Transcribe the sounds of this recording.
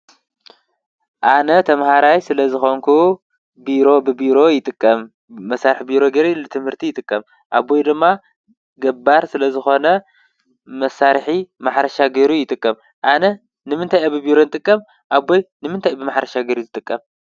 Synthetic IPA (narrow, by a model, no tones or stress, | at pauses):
ʔanɐt̪ʰɐmhaɾajsɨlɐzɨxoŋkʰu | biɾo̞bɨbiɾo̞jɪt̪ʼɨkʼːɐmː | ɐsːaɾħbiɾo̞ɡɐɾelɨt̪ʰɨmhɨɾt̪ʰijɪt̪ʼɨkʼːɐm | ʔabːojd̪ɨmːa | ɡɐbaɾsɨlɐzɨxo̞nɐ | mɐsaɾħimaħɾɐʃaɡeɾujɪt̪ʼɨkʼːɐm | ʔanɐ | nɨmɨnt̪ʰajabɨbiɾo̞nɨt̪ʼɨkʼːɐm | ʔabːojnɨmɨnt̪ʰajbɨmaħɾɐʃaɡeɾuzɨt̪ʼɨkʼːɐm